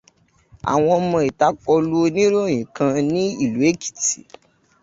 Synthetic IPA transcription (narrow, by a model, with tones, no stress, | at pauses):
a̰˨w̃ɔ̃˧ɔ˧mɔ̃˧i˨ta˦kɔ˧lu˦nĩ˦ɾo˦˨j̃ĩ˨kã˧nĩ˦i˦˨lu˨˦e˦ki̥˨tḭ˨˦